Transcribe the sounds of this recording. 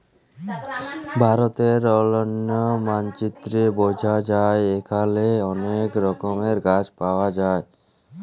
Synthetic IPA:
bʱaɾot̪eɾɔlonːomant͡ɕit̪ːɾebod͡ʑʱad͡ʑaeekʰaleɔnekɾɔkomeɾɡad͡ʑpaoad͡ʑae

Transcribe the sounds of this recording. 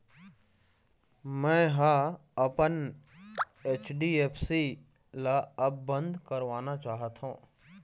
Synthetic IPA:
mɛ̃ːɦaːɐpən | eːt͡ʃʰɖiːeːpʰsi | laɐbːə̃nd̪ʱkəɾʋaːnat͡ʃaːɦət̪ʰũː

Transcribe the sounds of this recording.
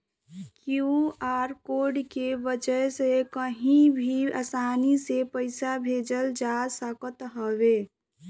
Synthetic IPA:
kuuaːɾkoɖkebəd͡ʒəjsekəɦĩbʱiə̰saːnisepəɪsabʱeːd͡ʒəld͡ʒaːsəkət̪ɦəwe

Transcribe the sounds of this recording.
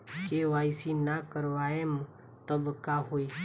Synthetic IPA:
keʋaːisinakəɾʋaem | t̪əbkaɦoːi

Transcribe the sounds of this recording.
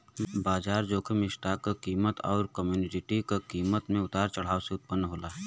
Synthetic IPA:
baːd͡ʒaːɾd͡ʒoːkʰemɪʃʈaːkekiːmət̪ɔ̰ːɾkəmjuːnɪd͡ʒɪʈikekiːmət̪mẽʊt̪aːɾt͡ʃɐɽ̤aːoseʊt̪̚pənːɦoːlaːɦ

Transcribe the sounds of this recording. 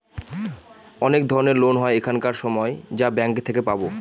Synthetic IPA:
ɔnekd̪ʱɔɾoneɾlonɦɔeekʰankaɾʃɔmɔed͡ʑabɛŋkt̪ʰekepabo

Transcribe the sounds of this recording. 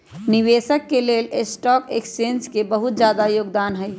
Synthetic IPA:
niʋeːsəkːeleːlesʈɔːkeksenskebəɦut̪̚d͡ʒjaːd̪ajoːɡd̪aːnɦəj

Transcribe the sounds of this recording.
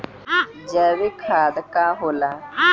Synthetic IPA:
d͡ʒɛːʋikʰaːd̪kaːɦolãː

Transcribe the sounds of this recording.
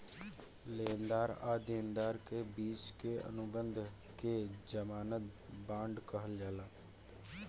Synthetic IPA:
leːnd̪aːɾa̰ːd̪eːnd̪aːɾkebiːt͡ʃkeə̰nʊbə̃nd̪ʱ | ked͡ʒəmaːnət̪̚bãːɳɖkəɦəld͡ʒaːlaː

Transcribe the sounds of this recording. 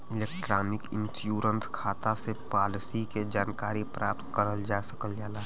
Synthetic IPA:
ɪleːkʈɾaːnɪkɪ̃nsjuːɾənskʰaːt̪asepaːlɪsiked͡ʒaːnkaːɾipɾʔa̰ːp̚t̪kəɾəld͡ʒaːsɐkəld͡ʒaːlaːɦ

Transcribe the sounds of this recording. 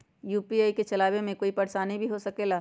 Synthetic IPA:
juːpiaːiket͡ʃɐlaːwemẽkoːipɐɽʃanɦibʱiɦosɐkeːlaː

